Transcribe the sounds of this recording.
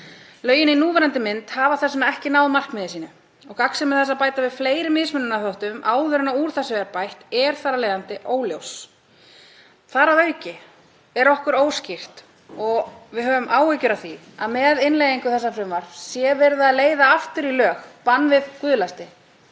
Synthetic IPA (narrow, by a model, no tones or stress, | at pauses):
lœːɥjɪninuːvɛɾant̪ɪmɪnt̪havaθɛsʏnaɛhcɪnaːwðmar̥kmɪðɪsiːnʏ | ɔɣkaksɛmːɛðθɛsapaːjt̪avɪðfleːjɾɪmːɪðsmʏnːʏnaθɔwht̪ʏmʔaːwðʏɾʏnauɾ̥θasɛaɾpajht̪ɛɾ̥θaɾalɛːjðant̪ɪʔoːwljows | θaɾavœːɥcɪ | ɛɾɔhkʏɾoːwscɪr̥t̪ | ɔɣvɪðɦœːvʏmʔaːwecʏɾaθi | aðmɛðɪnlejðiŋkʏθɛsːafɾʏmvaɾ̥sjɛvɛɾðaaðleːjðaaft̪ʏɾilœːxpanːvɪðkʏðlast̪ɪ